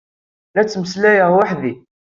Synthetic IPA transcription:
læt͡sːməslæjəʁwaħði

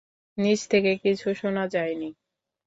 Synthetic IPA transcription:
nid͡ʑt̪ʰekekit͡ɕʰuʃonad͡ʑajni

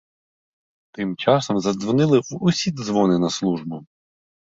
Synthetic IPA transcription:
t̪ɪmt͡ʃɑsɔmzɐd̪zʋɔnɪlˠɪwʊsʲid̪zʋɔnɪnɐslˠuʒbʊ

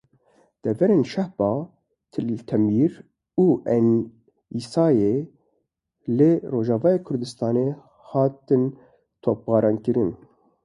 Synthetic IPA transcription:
d̪̥ɛvɛɾeːnʃɛhbɑː | t̪ʰɨlt̪ʰɛmiːɾ | uːʔɛn | iːsɑːje | lɨroːʒɑːvɑːjeːkʰʊɾd̪ɨst̪ɑːne | hɑːt̪ɨn | t̪ʰoːp̚bɑːɾɑːnkɨɾɨn

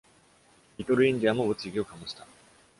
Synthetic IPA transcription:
it̪oɾɯ̟ĩɲd̪ʲiamoβɯt͡sɨiɡʲiokamoɕi̥t̪a

